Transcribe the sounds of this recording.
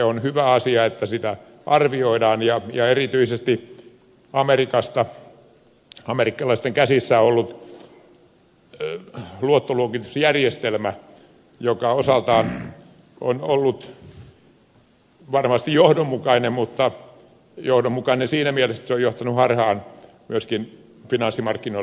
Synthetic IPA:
eonhyʋæɑsiɑet̪ːæsit̪æ | ʔɑrʋioidɑːnjɑjɑerit̪yisest̪i | ɑmerikɑst̪ɑ | ɑmerikːɑlɑist̪eŋkæsisːæoolːut̪ | luot̪ːoluokit̪usjærjest̪elmæ | jokɑosɑlt̪ɑːn | ʔo̰nolːut̪ | ʋɑrmɑst̪ijohdommukɑinemmut̪ːɑ | johdommukɑinensiːnæmielest̪æ̥seojjoht̪ɑnuhɑrhɑːn | myøskin | finɑnsːimɑrkːinoi

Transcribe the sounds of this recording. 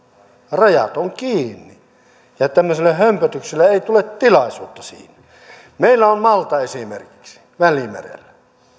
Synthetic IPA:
rɑjɑ̰t̪oŋkiːnːi | jɑt̪æmːøselːehømpæt̪ykselːeeˑit̪ulett̪ilɑˑisuːt̪ːɑsḭːnæ | meˑilːæommɑlt̪ɑesimḛrki̥ksi̥ | ʋælimḛrḛlːæ

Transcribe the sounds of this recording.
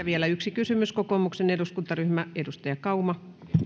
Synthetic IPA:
æʋielæyksikysymyskokomukseneduskunt̪ɑryhmæedust̪ɑjɑkɑumɑ

